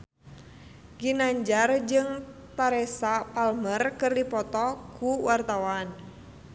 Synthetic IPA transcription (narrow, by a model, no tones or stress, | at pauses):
ɡinaɲd͡ʒard͡ʒɨŋt̪aɾɛsapalmərkərdipɔt̪ɔkuwart̪awan